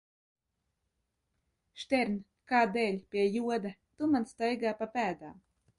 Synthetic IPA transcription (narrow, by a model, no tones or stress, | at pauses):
ʃt̪ʲɛɾnʲ | kaːd̪ɛːlʲpʲiɛjuɔd̪at̪umanst̪ajɡaːpapæːd̪aːm